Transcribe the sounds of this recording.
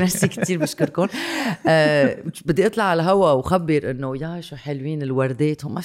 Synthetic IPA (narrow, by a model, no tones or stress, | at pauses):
nafsikt̪iːɾbɪʃkɪɾkʊnː | bɪd̪ːiʔɨt̪ˤlɑʕːalaɦawawxabːɪɾʔɪnːojaʃuħelwiːnɪlwɑɾˤd̪eːt̪hma